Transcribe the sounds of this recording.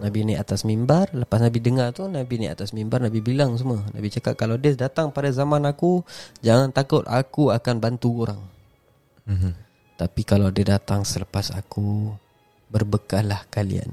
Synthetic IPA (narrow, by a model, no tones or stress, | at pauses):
nabinajʔat̪asmimbarləpasnabidəŋart̪unabinajʔat̪asmimbarnabibilaŋs̬uməna̰bit͡ʃakat̪̚kalawadədat̪aŋpadazamanakud͡ʒaŋant̪akʊt̪̚akuakanbant̪uoɾaŋ | t̪apikalawadədat̪aŋsələpasa̰ku | bərbəkalahkalḭa̰n